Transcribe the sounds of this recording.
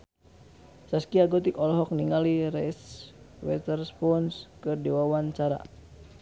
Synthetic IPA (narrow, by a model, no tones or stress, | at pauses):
saskiaɡɔt̪ikɔlɔɦɔk̚niŋaliɾɛs | wɛt̪ɛrspɔnskɨrdiwawant͡ʃaɾa̰